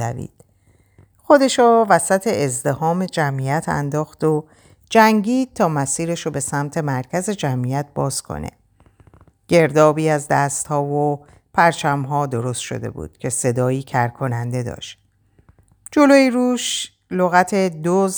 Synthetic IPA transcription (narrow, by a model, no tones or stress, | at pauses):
æ̰vḭːd̪̥ | xo̞d̪e̞ʃɔvæsæt̪ʰe̞ʔːzd̪e̞hɒːme̞d͡ʒæmijæt̪ʰæ̰nd̪ɒːxd̪o | d͡ʒæŋɟiːd̪̥̚t̪ʰɒːmæsiːɾe̞ʃobe̞sæmt̪ʰe̞mæɾcʰæze̞d͡ʒæmʔijæt̪̚bɒːz̥kʰo̰nʔḛ | ɟ̥e̞ɾd̪ɒːbiːæzd̪æst̪hɒːvo | pʰæɾt͡ʃʰæmɦɒːd̪o̞ɾo̞st̪ʃo̞̰d̪e̞̰bṵːd̪̥cʰe̞se̞d̪ɒːiːcʰæɾkʰo̞nænd̪e̞d̪ɒ̰ːʃt̪ | d͡ʒo̞loːiɾuːʃ | loɣæt̪ʰe̞d̪oz